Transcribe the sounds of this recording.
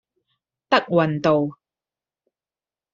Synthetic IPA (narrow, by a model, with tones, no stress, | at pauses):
t̪ɐ˥k̚wɐ˨nt̪o˨w